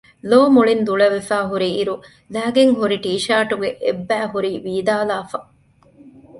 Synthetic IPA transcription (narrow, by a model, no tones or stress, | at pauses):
loːmuɭind̪uɭɐʋefæːɦuɾiːɾu | læːɡeŋɦuɾiʈiːʃaːʈuɡeʔebːæːɦuɾiːʋiːd̪aːlaːfɐ